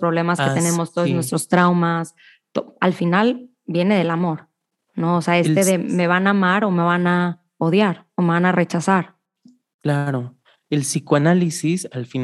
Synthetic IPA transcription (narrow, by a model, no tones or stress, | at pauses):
pɾoβle̞masket̪enemo̞st̪ooznwe̞st̪ɾo̞st̪ɾawmas | t̪oalfinal | bje̞ne̞ð̞e̞lamo̞ɾ | no̞ːseae̞se̞ðe̞me̞β̞anamaɾo̞me̞βana | o̞ðjaɾo̞me̞βanare̞t͡ʃasaɾ | klaɾo | elsikoanalisisalfin